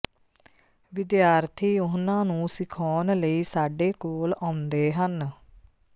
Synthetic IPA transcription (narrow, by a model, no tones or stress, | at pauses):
ʋɪd̪jaːɾt̪ʰiːʊɦnãːnũːsɪkʰɔːnləiːsaːɖeːkoːlãːʊnd̪eːɦən